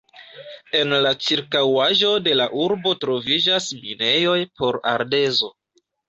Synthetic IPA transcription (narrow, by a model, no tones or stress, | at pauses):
e̞nlat͡ʃiɾkawaʒo̞de̞laʔuɾbo̞tɾo̞vid͡ʒasmine̞jo̞jpo̞ɾa̰ɾde̞zo̞